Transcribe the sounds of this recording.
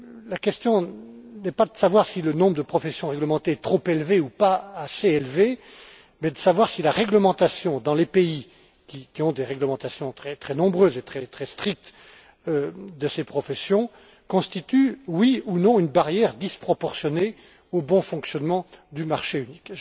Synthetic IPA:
lakʲɛst̪jɔ̃nɛpad̪əsavwaʁsilənɔ̃bʁəd̪əpχɔfɛsjɔ̃ʁɛɡləmɑ̃t̪eɛt̪χopelveupaːseelve | mɛd̪əsavwaʁsilaʁɛɡləmɑ̃t̪asjɔ̃d̪ɑ̃lepei | kʲikʲiɔ̃d̪eʁɛɡləmɑ̃t̪asjɔ̃t̪χɛt̪χɛnɔ̃bʁøzet̪χɛt̪χɛst̪χik̚t̪ | d̪əsepχɔfɛsjɔ̃ | kɔ̃st̪it̪ywiunɔ̃ynbaʁjɛʁd̪ispχɔpɔʁsjɔne | obɔ̃fɔ̃ksjɔnmɑ̃d̪ymaʁʃeynik

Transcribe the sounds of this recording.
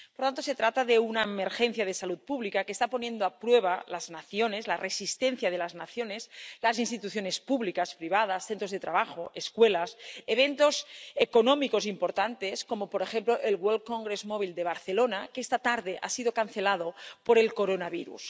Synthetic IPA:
poɾt̪ant̪oset̪ɾat̪aðeunaemeɾxen̟θjað̞esalut̪̚puβlikakeːst̪apo̞nje̞nd̪oapɾweβ̞alaznaθjonezlarʔesist̪en̟θjað̞elaznaθjoneslazinst̪it̪uθjone̞spuβlikaspɾiβ̞að̞asθent̪ɾozðe̞t̪ɾaβaxoʔeskwelaseβent̪ozekonõmikozimpoɾt̪ant̪esko̞mopoɾexemploʔelɣwolkoŋɡɾezmoβ̞ild̪eβ̞aɾθelonakest̪at̪aɾðeʔa̰sið̞o̞kan̟θelaðopoɾe̞lkoɾonaβiɾṵs

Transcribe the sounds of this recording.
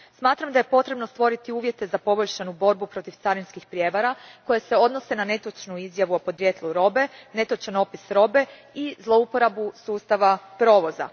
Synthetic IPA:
smaːt̪ɾamd̪aje̞po̞t̪ɾe̞bnost̪ʋo̞ɾit̪iuːʋje̞t̪e̞zapo̞bo̞ʎʲʃanubo̞ɾbupɾo̞t̪iʋt̪saɾinskixpɾje̞ʋaɾako̞jese̞o̞d̪no̞se̞nane̞t̪o̞t͡ʃnuizjaʋuopo̞d̪ɾjeːt̪lˠuɾo̞be̞ne̞t̪o̞t͡ʃano̞pisɾo̞be̞ | izlˠo̞upo̞ɾabusuːst̪aʋapɾo̞ːʋo̞za̰

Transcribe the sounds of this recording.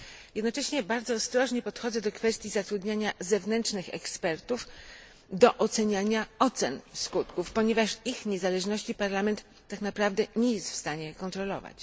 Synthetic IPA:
jɛd̪nɔt͡ʂɛɕɲɛbaɾd̪zɔːst̪ɾɔʐɲɛpɔt̪xɔd̪zɛd̪ɔkfɛst̪ʲjizat̪ɾud̪ɲaɲazɛvnɛntt͡ʂnɘxɛ̰kspɛɾt̪uf | d̪ɔʔɔt̪sɛɲaɲaɔt̪sɛnskut̪kufpɔɲɛvaʂixɲezalɛʐnɔɕt͡ɕipaɾlamɛnt̪ːaknapɾavd̪ɛɲɛjɛst̪fst̪aɲɛkɔnt̪ɾɔlɔ̰va̰t͡ɕ

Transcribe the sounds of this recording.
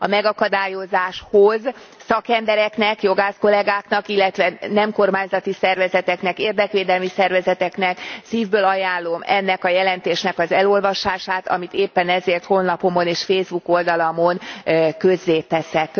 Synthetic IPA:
ɒmɛɡɒkɒd̪aːjo̞zaːʃhoz | sɒkɛmbɛɾɛknɛkjo̞ɡaːsko̞lɛɡaːkn̪ɒkilːɛt̪ʋɛnɛmko̞rmaːɲzɒt̪isɛrvɛzɛt̪ɛknɛkeːrd̪ɛkʋeːd̪ɛlmisɛrvɛzɛt̪ɛknɛksiːvbøːlɒjaːlːo̞mɛnːɛkɒjɛlɛnt̪eːʃnɛkɒzɛlo̞lvɒʃaːʃaːt̪ɒ̰mit̪eːpːɛnɛzeːrt̪ho̞nːɒpo̞mo̞neːʃfeːzbuko̞ld̪ɒlɒmo̞nkø̞zːeːt̪ɛsɛk

